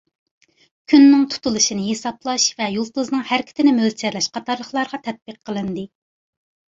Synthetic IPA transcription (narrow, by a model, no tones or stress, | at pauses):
kʲʰynːɪŋt̪ʰu̥t̪ʰulˠɨʃinɨɦesɑplˠɑʃvɛjulˠt̪uznɨŋhæɾɪkʲʰt̪ʰɪnɪmølt͡ʃʰɛɾlɛʃqʰɑt̪ʰɑɾlˠəχlˠɑɾʁɑt̪ʰɛt̪̚bɨqʰːəlˠɨnd̪ɨ